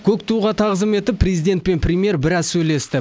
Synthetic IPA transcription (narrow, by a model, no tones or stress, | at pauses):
kʲʰɵkt̪uʁɑt̪ʰɑʁəzəme̞t̪ɪpːrʲejzijd̪ʲe̞nt̪̚pe̞npʰrʲɪmije̞ɾbɪɾɑzsɵjle̞st̪ɪ